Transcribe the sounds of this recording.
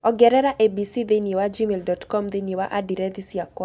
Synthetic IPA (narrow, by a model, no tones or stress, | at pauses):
ɔɡɛɾɛɾaʔebisiðeniewad͡ʒimeldɔtkɔmðenjewaʔadiɾɛðisiakwa